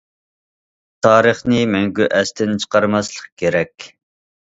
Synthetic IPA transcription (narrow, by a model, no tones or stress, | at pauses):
t̪ʰɑːɾəχnɨmɛŋɡʲyʔɛst̪ɪnt͡ʃʰə̥qʰɑɾmɑslˠəq̚kʲʰeɾɛkʲ